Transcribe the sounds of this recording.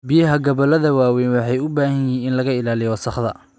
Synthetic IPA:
bɪjɐɦɐɡɐβɐlɐðɐwaːwɛjnwɑħɑjʊbaːhɐnjiːnɪnlɐɣɐɪlaːlɪjɔsɐχðɐ̰

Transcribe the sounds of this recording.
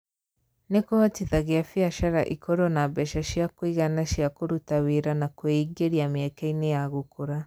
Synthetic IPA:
nekotiðaɣeafiaʃaɾa̰ʔikʰoɾɔnabɛʃaʃjakoiɣanaʃiakoɾutaweɾanakoeiɡeɾiamɛkɛinejaɣokoɾa

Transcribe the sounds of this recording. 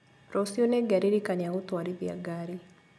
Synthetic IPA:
ɾɔsioneɡaɾiɾikanaotwaɾiβja̰ɡaɾi

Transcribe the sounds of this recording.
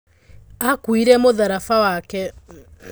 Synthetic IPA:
akwiɾɛmoðaɾafawakɛ

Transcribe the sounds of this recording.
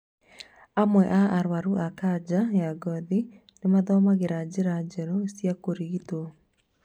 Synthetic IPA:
amwɛʔaaɾwaɾuʔakad͡ʒajaɡɔði | nemaðɔːmaɣeɾad͡ʒeɾad͡ʒɛɾoesjakoɾiɣito

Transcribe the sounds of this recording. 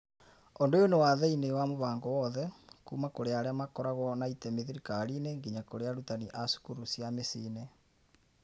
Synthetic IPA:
ondoonowaðeinewamoβaːŋɡɔwɔðɛkṵːmakoɾeaɾeamakɔɾaɣɔnaitɛmeðeɾikaɾineŋɡiɲakoɾeaɾutaniʔasu̥kuɾusjamesine

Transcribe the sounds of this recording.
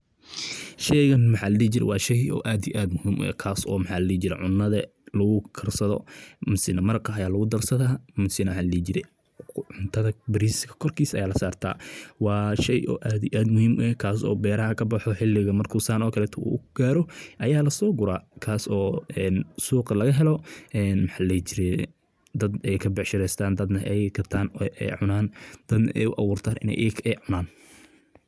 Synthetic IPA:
ʃɛjɣɐnmɐħaːlɐliːt͡ʃɪɾɛ̰wɑːʃɛjɔ̰ːʔaːd̪ijʔaːd̪mʊhiːmʔʊ̰ɛ̰kʰaːsɔ̰ːmɑħaːlɐliːt͡ʃɪɾɛ̰ʕʊnːɐðɐ | lɐɣʊkʰɐrsɐðɔ̰mʊsɪnɐmɐɾqɐɐjaːlɐɣʊd̪ɐrsɐðɐmʊsɪnɐmħaːlɐliːd͡ʒɪɾɛ̰ | ʕʊnt̪ʰɐðɐbɪɾiskʰɐ̥kʰɔrkʰiːsɐ̰jaːlɐsaːrt̪ʰa̰ːwɑːʃɛjʔɔ̰ːʔaːd̪ɪʔaːd̪mʊhiːmɛkʰaːs̬ɔ̰ːbɛːɾɐɦɐkʰɐbɐħɔħɪlːɪɣɐmɐrkʰuːsaːnɔːkʰɐlɛːt̪ʰɔṵːɡ̥aːɾɔʔɐjaːlɐsɔːɡʊɾaːkʰaːsɔːɛːnsuːqɐlɐɣɐɦɛlɔɛːnmħalɛjt͡ʃɪɾɛ | d̪ɐd̪ɛjkʰɐbɛʕʃɪɾɛjst̪ʰaːnd̪ɐd̪nɐʔɛjɡʰɐt̪ʰaːnʔɛ̰ʕʊnaːnd̪̥ɐd̪nɐ̰ʔɛ̰jʊʔɐwuːrt̪ʰaːnʔɪ̰nɛ̰jʔɛjkʰɛʕʊnaːn

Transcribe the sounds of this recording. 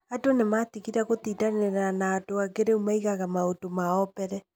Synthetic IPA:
adonematiɣiɾaɣotiːdaneɾanaːdoaɡeɾeumaiɣaɣamaotomaɔpɛɾɛ

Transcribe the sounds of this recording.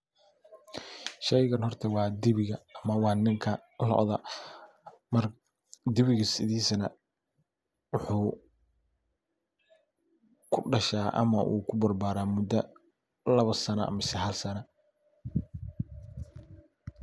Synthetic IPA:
ʃɛjɣɐnhɔrt̪ʰɛwɑːd̪ɪβɪɣɐːmɐwɑːnɪŋkʰɐlɔ̰ʔðɐ | mɐr | d̪ɪβɪɣɐsɪðiːsɐnɐ̰ | wʊħuː | kʰʊɖɐʃaːʔɐ̰mɐʔṵːkʰʊbɐrbaːɾaːmʊd̪ɐ | lɐβɐsɐnɐɐ̰mɐsɪhɐlsɐnɐ

